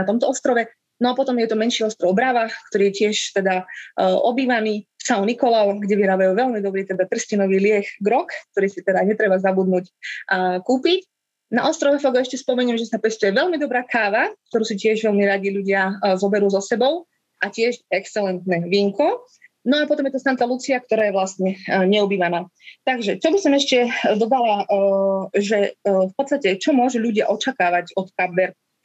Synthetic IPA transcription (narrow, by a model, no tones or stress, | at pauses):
at̪ɔmt̪ɔɔst̪ɾɔʋɛ | nɔapɔt̪ɔmjɛt̪ɔmɛnʃiːɔst̪ɾɔʊbɾaʋakt̪ɔɾiːjɛcɪɛʃt̪ɛd̪aʔɔbiːʋaniːsaʊnikɔlɔʊɡɟɛʋiɾaːbajuːʋɛlmid̪ɔbɾiːt̪ɛd̪at̪r̩scinɔʋiːlɪɛxɡɾɔkk̚t̪ɔɾiːsit̪ɛd̪aɲɛt̪ɾɛbazabud̪nuːcː | kuːpic | na̰ʔɔst̪ɾɔʋɛfɔɡɛʃcɛspɔmɛɲɪɛmʒɛsapɛst̪ujɛʋɛlmid̪ɔbɾaːkaːʋak̚t̪ɔɾuːsicɪɛʒʋɛʎmiɾaɟiʎuɟɪazɔbɛɾuːzɔsɛbɔʊ | ʔacɪɛʃɛkst͡sɛlɛnt̪nɛːʋiŋkɔ | nɔapɔt̪ɔmjɛt̪st̪ant̪lalut͡siak̚t̪ɔɾaːjɛʋlast̪ɲɛɲɛubiːʋanaːt̪aɡʒɛt͡ʃɔbisɔmɛʃcɛd̪ɔd̪ala | ʒɛfpɔt̪st̪acɛt͡ʃɔmʊɔʒuʎuɟɪaʔɔt͡ʃakaːʋaɟɔt̪kabbɛɾ